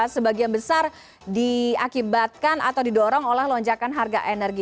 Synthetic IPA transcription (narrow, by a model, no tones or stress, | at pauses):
səbaɡianbəsar | diakibat̪̚kanʔa̰t̪awdidɔɾɔŋolɛhlɔɲd͡ʒakanɦarɡaʔenərɡi